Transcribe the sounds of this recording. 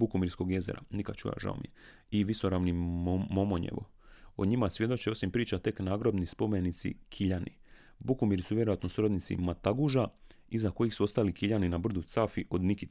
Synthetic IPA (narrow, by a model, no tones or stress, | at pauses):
bukumiɾsko̞ɡje̞ze̞̰ɾa̰nikad̪t͡ʃṵja̰ʒa̰omḭe | iʋiso̞ɾaʋnimomoɲḛʋo̞̰ | oɲimasʋje̞d̪o̞t͡ʃeo̞simpɾiːt͡ʃat̪e̞knaːɡɾobnispo̞menit̪sḭkʰiʎanʔḭ | bukumiɾisuʋje̞ɾo̞jat̪no̞suɾod̪nit̪sḭmat̪aɡuʒa | izako̞jixsuo̞st̪alikiʎaninabr̩d̪ut̪safiʔo̞d̪niki